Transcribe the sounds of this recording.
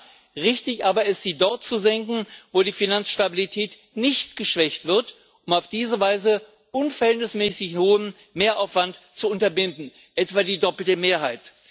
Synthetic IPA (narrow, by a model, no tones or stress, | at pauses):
ʁɪçtɪçʔaːbɐɪstz̥iːdɔɐt̚t͡suzɛŋkŋ̩voːdiːfinant͡sʃtabilitʰɛːt | nɪçtɡ̥əʃv̥ɛçtv̥ɪɐt | ʔʊmaʊfd̥iːzəvaɪzə | ʔʊnfɐhɛntnɪsmɛːsɪçhoːəm | meːɐʔaʊfv̥ant | t͡suʊntɐbɪndn̩ | ʔɛtv̥aːdiːdɔpl̩təmeːɐɦaɪt